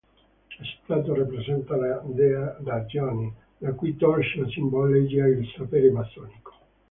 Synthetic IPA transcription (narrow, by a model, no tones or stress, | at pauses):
asi̥t̪ːaːt̪orapɾesɛnt̪alad̪ɛad̪ad͡ʒjɔːni | lakuit̪ɔlʃlasimbɔlid͡ʒiailsapɛɾebasɔːniko̥